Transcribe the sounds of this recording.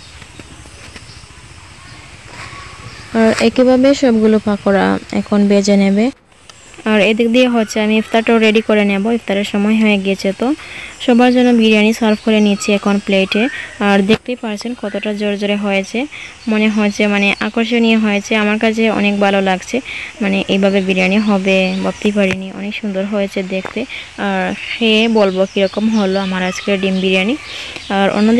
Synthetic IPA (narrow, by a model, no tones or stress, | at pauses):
aɾɛkibʱabeʃɔbɡulopakoɾa̰ɛ̰kʰonbed͡ʑenebe | aɾed̪ikd̪ieɦoːt͡ɕʰeamiift̪aɾʈaoɾeɖikoɾeneboift̪aɾeɾʃɔmɔeɦɔeɡiet͡ɕʰet̪oʃɔbaɾd͡ʑɔnːobiɾianisaɾpʰkoɾenit͡ɕʰiɛkʰonpleʈeaɾd̪ek̚ʰt̪epaɾt͡ɕʰenkɔt̪oʈad͡ʑoɾd͡ʑoɾeɦojet͡ɕʰe | moneɦoet͡ɕʰemaneʔakoɾʃ̬onijeɦojet͡ɕʰeamaɾkat͡ɕʰeɔ̰nekbʱalolaɡt͡ɕʰemaneʔejbʱabebiɾianiɦɔbebab̚t̪epaɾiniɔ̰nekʃund̪oɾɦojet͡ɕʰed̪ekʰt̪eaɾʃebolbokiɾɔkomɦoloamaɾad͡ʑkeɾɖimbiɾianiaɾo̰nːod̪